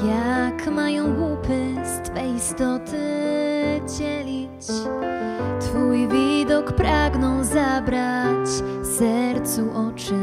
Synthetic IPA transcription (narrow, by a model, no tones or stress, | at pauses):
jakmajɔ̃w̃ɡwupɘst̪fɛjist̪ɔt̪ʰɘ | d͡ʑɛlʲi | t͡ɕ | t̪fujvʲid̪ɔkpɾaɡnɔwzabɾat͡ɕ | sɛɾt̪suʔɔt͡ʂɘ